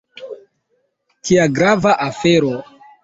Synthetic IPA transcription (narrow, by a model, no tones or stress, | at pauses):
tʰiaɡɾavaʔafeɾo